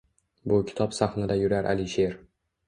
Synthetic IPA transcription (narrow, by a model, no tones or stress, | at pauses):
bʊkʲʰɪ̥t̪ʰɒpsaχnad̪ajʊɾaɾʔa̰lɪʃeɾ